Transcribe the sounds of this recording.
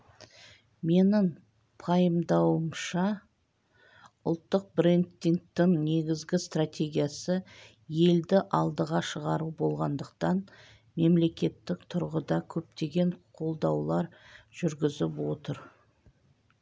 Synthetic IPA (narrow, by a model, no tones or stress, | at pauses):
me̞nɪŋ | pʰɑjəmd̪ɑwəmʃɑ | ʊlˠt̪ːəq̚bɾent̪ːiŋk̚t̪ɪŋne̞ɡʲɪzɡʲɪst̪rat̪ʲe̞ɡʲijasə | je̞ld̪ɪʔɑlˠd̪əʁɑʃəʁɑɾubo̞lˠʁɑnd̪əq̚t̪ɑn | me̞mle̞kʲe̞t̪ːɪkt̪ʰʊɾʁəd̪ɑkʲʰɵp̚t̪e̞ɡʲe̞ɴqʰo̞lˠd̪ɑwlˠɑɾʒ̥ʏɾɡʲɪzɪpwo̞t̪əɾ